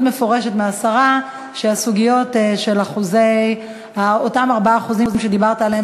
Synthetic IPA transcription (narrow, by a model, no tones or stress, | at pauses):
tme̞fo̞ʁe̞ʃetmeasaʁa | ʃeasuɡijo̞tʃe̞laχuzej | aotamaʁbaaχuzizimʃed̪ibaʁt̪aale